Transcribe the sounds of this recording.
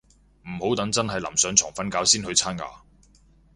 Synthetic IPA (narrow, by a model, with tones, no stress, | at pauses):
m̩˨˩ho˨˥wt̪ɐ˨˥ŋt͡sɐ˥nɦɐ˨jlɐ̰˨˩msœː˨˥ŋt͡sʰɔː˨˩ŋfɐ˥nkaː˨˥wsiː˥nhɵ˧ɥt͡sʰaː˥na̰ː˨˧